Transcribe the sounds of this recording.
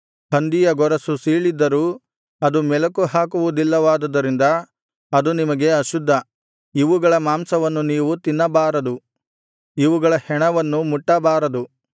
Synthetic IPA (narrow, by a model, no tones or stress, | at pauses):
hɐnd̪ijɐɡɔɾɐsusiːɭid̪ːɐɾuː | ɐd̪umɛlɐkuɦaːkuʋud̪ilːɐʋaːd̪ɐd̪ːɐɾind̪ɐː | d̪unimɐɡe̞ɐʃud̪ʱːɐ | iʋuɡɐɭɐmaːmsɐʋɐnːuniːʋut̪inːɐbaːɾɐd̪u | iʋuɡɐɭɐhɛɳɐʋɐnːumuʈːɐbaːɾɐd̪u